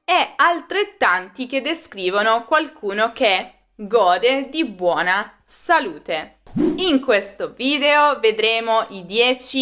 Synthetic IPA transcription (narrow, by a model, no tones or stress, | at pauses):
ɛalt̪ɾet̪ːant̪ik̟ed̪ːeskɾiːvonokwalkʰuːnok̟e | ɡɔːd̪ed̪ibwɔːna | saluːt̪e | iŋkwest̪oviːd̪eoved̪ɾeːmoʔid̪jɛːt͡ʃi